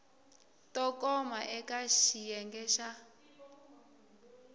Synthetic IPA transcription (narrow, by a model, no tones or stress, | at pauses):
tʼɔkʼɔmaʔɛkʼaʃijɛŋɡɛʃa